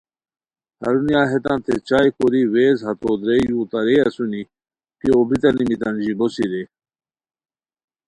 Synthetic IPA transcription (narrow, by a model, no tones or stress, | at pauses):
hɐ̰ɾunijaːɦet̪ãnt̪ʰet͡ɕajkoɾiweːzɦɐt̪od̪ɾejũt̪ɐɾeɐsuni | kiobʱit̪ɐnimit̪ɐnd͡ʑibosiɾe